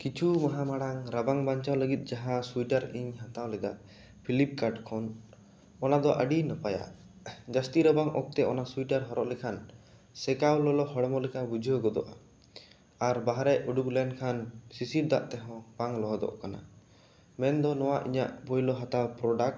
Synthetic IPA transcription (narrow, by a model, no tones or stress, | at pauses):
kit͡ʃʰumaɦamaɽaŋɾabaŋbaɲt͡ʃawləɡit̪̚ˀd͡ʒaɦasuiʈaɾiɲɦat̪awlɛd̪aʔ | pʰilip̚kaɖkʰɔn | ɔnad̪ɔʔə̰ɖinəpaja̰ʔ | d͡ʒast̪iɾəbaŋɔk̚t̪ɛɔnasuiʈaɾɦɔɾɔʔlɛkʰan | sɛkawlɔlɔhɔɽmɔlɛkʰabud͡ʒʱɔɡɔd̪ɔ̰ʔa̰ | aɾbaɦɾɛuɖuklɛnkʰansisip̚d̪a̰ʔt̪ɛɦɔ̃b̥aŋlɔɦɔd̪ɔ̰ʔkana̰ | mɛnd̪ɔnɔwaʔḭɲaʔbɔjlɔɦat̪awpɾɔɖak̚ʈ